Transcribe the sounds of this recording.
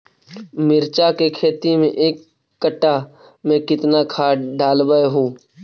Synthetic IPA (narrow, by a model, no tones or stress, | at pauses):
mɪɾt͡ʃakekʰeːt̪imẽʔeːkː | əʈːaː | mẽkɪt̪nakʰaːɖaːlbəeɦũː